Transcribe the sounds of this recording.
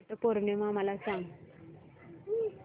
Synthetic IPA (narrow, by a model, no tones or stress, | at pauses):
ʈəpoɾɳemaməlasãŋɡ